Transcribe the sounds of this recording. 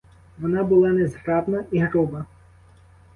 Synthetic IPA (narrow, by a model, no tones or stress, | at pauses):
ʋɔnɑbʊlˠɑnɛzɦɾɑb̪nɐiɦɾubɐ